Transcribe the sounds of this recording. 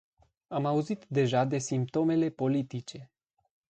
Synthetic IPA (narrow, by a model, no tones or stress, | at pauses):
amauzit̪d̪e̞ʒad̪e̞simp̚t̪o̞me̞le̞po̞lit̪it͡ʃe̞